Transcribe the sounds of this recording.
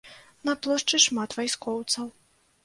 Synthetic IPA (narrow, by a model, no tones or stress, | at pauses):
nɐplˠɔʂt͡ʂɨʂmat̪vajskɔwt̪sɐw